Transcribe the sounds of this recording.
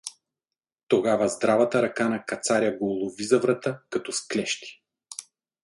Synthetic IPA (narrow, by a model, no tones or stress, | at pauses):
t̪oɡavɐzd̪ɾavɐt̪ɐɾɐkanɐkɐt̪saɾʲjɐɡoːlˠovizɐvɾɐt̪akɐt̪ɔsklɛʃt̪i̥